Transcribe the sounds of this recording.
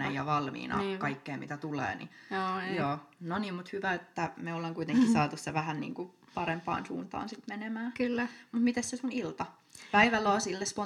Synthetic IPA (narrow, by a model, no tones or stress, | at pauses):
ɑ̰jjɑʋɑlmḭːnʔɑ̰kɑikːeːmit̪æt̪ulḛːnḭjoːnoniːmmut̪hyʋæet̪ːæmeoleŋkuit̪eŋkːisɑːt̪usseʋæhænnḭːŋku | pɑɾempɑ̰ːnsṵːnt̪ɑ̰ːnsit̪menemæːkylːæmut̪mit̪essesunilt̪ɑ | pæiʋælːoːsilːespo